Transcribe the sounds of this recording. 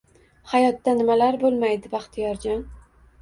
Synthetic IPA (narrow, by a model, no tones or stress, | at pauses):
hajɒt̪ːanɪmalaɾbolˠmajd̪ɪbɑχt̪ʰjɒɾd͡ʒɒn